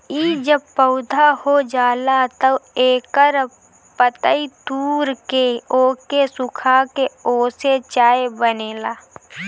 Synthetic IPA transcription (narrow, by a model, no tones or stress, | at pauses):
iːd͡ʒəb̚pəʊd̪ʱahod͡ʒaːlat̪əeːkəɾ | pət̪əit̪uːɾkeoːkesʊkʰakeoːset͡ʃaːebəneːlaː